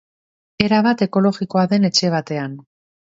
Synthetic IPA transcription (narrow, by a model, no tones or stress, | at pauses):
e̞ɾaβ̞at̪e̞ko̞lo̞ɣiko̞aðe̞ne̞t͡ʃe̞β̞at̪e̞an